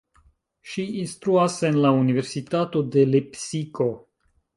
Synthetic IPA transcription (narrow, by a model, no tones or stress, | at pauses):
ʃiinstɾuase̞nlaunive̞ɾsitato̞de̞lepsiko̞